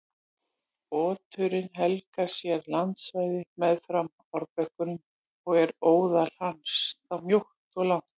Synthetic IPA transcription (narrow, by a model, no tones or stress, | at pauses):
ɔːt̪ʰʏɾɪnɦɛlkaɾ̥sjɛɾlant̪svajðɪmɛðfɾam | ɔɾpœhkʏnʏm | ɔɣɛɾoːwðal̥hansθawmjowht̪ɔɣlawnt̪